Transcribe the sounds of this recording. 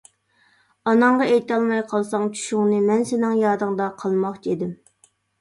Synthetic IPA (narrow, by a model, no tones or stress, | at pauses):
ɑnɑɴʁɑejt̪ɑlˠmɑjqʰɑlˠsɑŋt͡ʃʰy̥ʃʊŋnɨmɛnsɪnɪŋjɑːd̪ɨŋd̪ɑqʰɑlˠmɑχt͡ʃʰid̪ɪm